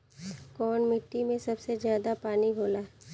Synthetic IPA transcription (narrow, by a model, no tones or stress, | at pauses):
kɔːɳmɪʈːimẽsɐbsezjaːd̪apaːniɦoːlaː